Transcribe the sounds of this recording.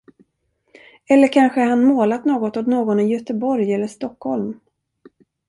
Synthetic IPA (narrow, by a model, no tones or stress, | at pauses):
ɛlːəɾkʰanɧəaɾhanmoːlat̪noːɡɔt̪ɔt̪noːɡɔnɪjœt̪əbɔɾjɛlːəʂt̪ɔkːhɔlm